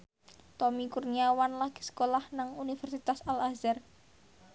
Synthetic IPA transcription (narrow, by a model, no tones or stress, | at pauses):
t̪ɔmikurniawanlaɡ̥i̥sə̥kolahnaŋunifɛrsit̪asalazɛr